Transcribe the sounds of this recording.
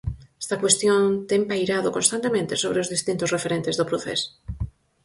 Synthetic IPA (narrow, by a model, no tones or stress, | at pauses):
est̪akwest̪jõnt̪empajɾaðokonst̪ant̪emẽnt̪esoβ̞ɾeozðist̪int̪osrefeɾent̪ezðopɾoθḛso̥